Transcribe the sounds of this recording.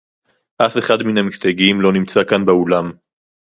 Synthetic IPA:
ʔafe̞χadminamist̪aɡimlo̞nimt͡sakanbeulam

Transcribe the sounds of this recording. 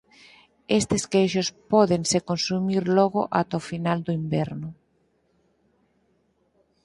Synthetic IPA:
est̪eskejʃospɔðeŋsekonsumiɾlɔɣoʔat̪ofinald̪oimbɛɾnʊ

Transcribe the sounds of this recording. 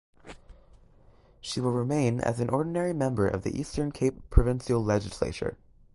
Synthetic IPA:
ʃiwəlˠɹɪmẽɪ̃nɨ̰z̃n̩ʔɔɹdⁿn̩ɛɹimɛ̃mbə˞ʔʌ̰vðḭʔistə̃˞nkʰeɪpʰɹ̥ɨvɪ̃nʃil̩ˠlɛd͡ʒɨslḛɪt͡ʃə̰˞

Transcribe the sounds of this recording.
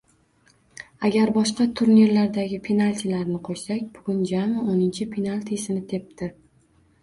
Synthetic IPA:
aɡʲaɾbɒʃqɑt̪ʰʊɾniɾlaɾd̪aɡʲɪpʰenalʲt̪ʰilaɾnɪqʰoʃsakʲbʊɡʲʊnd͡ʒamɪonɪnt͡ʃʰɪpʰenalʲt̪ʰisɪnɪt̪ʰe̞p̚t̪ɪ

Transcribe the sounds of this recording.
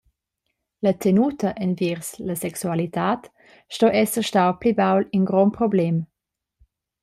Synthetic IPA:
lət̪ʰenut̪əʔɛnviɾslɐsɛksualit̪aːt | ʃtɔʔɛsəʃtawplibawlinɡɾɔnpɾɔblɛm

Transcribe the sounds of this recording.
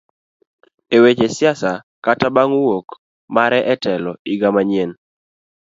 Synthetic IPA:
ewet͡ʃesɪasa | katabaŋwok | maɾɛʔɛtɛlɔiɡamaɲjen

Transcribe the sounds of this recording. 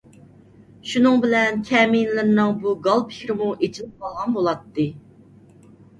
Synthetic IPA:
ʃunɨŋbɪlɛnkʲʰɛminlɪɾnɨŋbuɡɑlˠpʰɪ̥kʲɾɪmuʔet͡ʃʰilɪp̚qʰɑlˠʁɑnbolˠɑt̪ːɨ

